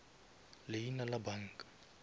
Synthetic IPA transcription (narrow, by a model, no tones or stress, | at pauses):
lɪjinalabaŋ̩kʼḁ